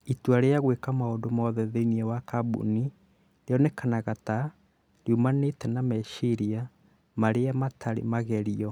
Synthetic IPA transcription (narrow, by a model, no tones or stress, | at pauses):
ituaɾeaɣwekamaondomɔðɛðeiniɛwakabṵni | ɾeɔnɛkʰanaɣata | ɾiumanetɛnamɛʃiɾia | maɾeamatʰaɾḛmaɣɛɾiɔ